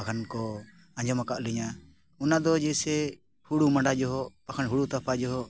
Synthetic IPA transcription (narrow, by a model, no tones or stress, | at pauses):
akʰankɔ | ãɲd͡ʒɔmakaʔliɲa | ɔnad̪ɔd͡ʒɛsɛ | huɽumaɳɖad͡ʒɔɦɔpakʰanɦuɽut̪apʰad͡ʒɔɦɔ